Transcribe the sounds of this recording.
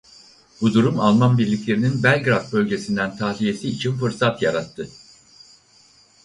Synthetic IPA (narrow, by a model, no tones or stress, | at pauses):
bud̪uɾumalˠmanbiɾlʲicʲlʲe̞ɾininbælʲɡɾafbø̞lʲɟe̞sind̪ænt̪ʰahlʲije̞siːt͡ʃʰinfɯɾsat̪jaɾat̪ʰːɯ